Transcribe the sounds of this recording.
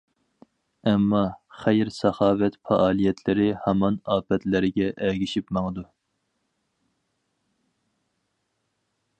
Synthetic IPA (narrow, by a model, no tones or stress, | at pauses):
ɛmːɑχæjɾsɑχɑːwɛt̪fɑʔɑːlˠijɛt̪ʰlɪɾɪhɑmɑnɑːpɛt̪lɪɾɪɡʲɛʔɛɡʲiʃipmɑŋəd̪u